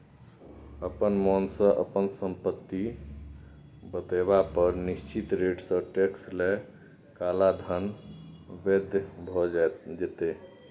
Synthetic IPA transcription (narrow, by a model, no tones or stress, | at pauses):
əpənmɔnsə̃ʔə̰pənsəmpət̪ːi | bət̪eβapəɾnist͡ʃit̪ɾeɖsə̃ʈeksle | kalad̪ʱən | bed̪jbʱɔd͡ʒd͡ʒet̪e